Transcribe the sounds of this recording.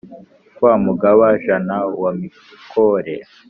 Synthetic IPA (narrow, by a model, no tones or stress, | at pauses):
kwaːmuɡaβaʒanawami | kʰoɾe